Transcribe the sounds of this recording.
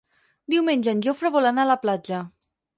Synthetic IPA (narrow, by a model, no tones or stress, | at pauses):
d̪iwmenʲʒənʲʒofɾəβolanalaplad͡ʒə